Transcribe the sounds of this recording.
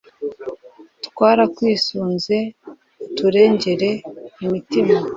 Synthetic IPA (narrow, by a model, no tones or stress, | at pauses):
tkwaːɾakwiːsuːnze̞ | tuɾe̞ːɲɟe̞ɾe̞imitima